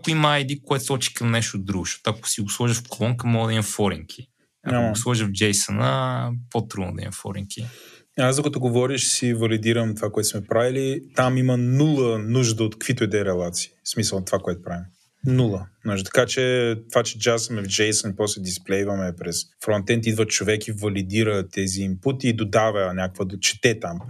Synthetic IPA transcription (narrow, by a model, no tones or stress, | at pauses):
akʊimɐajd̪ikoɛt̪sˠɔt͡ʃi̥kɐmnɛʃt̪od̪ɾuɡʊʃɔ̥t̪ɐkʊ̥siɡʊslˠɔʒəfklˠɔŋkəmɔɡəd̪ɐimɐfɔɾiŋkʰi | ɐ̰slˠɔʒəvd͡ʒɛjsɐnəpot̪ɾud̪nod̪ɐḭmɐfɔ̰ɾḭŋkʲi | azɐkət̪oɡovɔɾiʃsivɐlid̪iɾəmt̪ovakoɛt̪smɛpɾavilit̪amimənulˠənuʒd̪əot̪kəkvit̪oɛd̪ɛɾɛlˠat̪si̥ːsmisəlˠt̪ovakoɛt̪ʊ̥pɾavim | nulˠənuʒət̪ɐ̥kat͡ʃɛt̪ovat͡ʃɛd͡ʒasəmɛvd͡ʒɛjsənipɔslɛd̪isplɛjvɐmɛpɾɛsfɾɔnt̪ɛnt̪id̪vət͡ʃovɛkivɐlid̪iɾət̪ɛziːmput̪iːd̪od̪avənʲakəkvəd̪t͡ʃɛ̥t̪ɛt̪am